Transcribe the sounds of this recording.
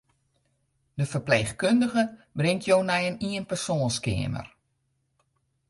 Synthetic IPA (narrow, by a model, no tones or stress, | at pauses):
dəfərpleːxkøndəɣəbrɪŋtʰjoːnɛjəniənpərsoːnskɪ̰əmə̰r